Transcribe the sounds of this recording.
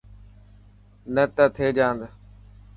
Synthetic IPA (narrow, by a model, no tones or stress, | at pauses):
nət̪ət̪ʰeːd͡ʒãːnd̪